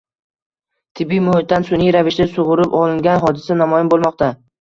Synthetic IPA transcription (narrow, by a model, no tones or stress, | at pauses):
t̪ʰɪbːijmʊhɪt̪̚d̪ansʊnijɾavɪʃd̪asʊʁʊɾɪpɒlˠɪŋɡʲanɦɒd̪ɪsanamɒjɪnbolˠmɒqt̪a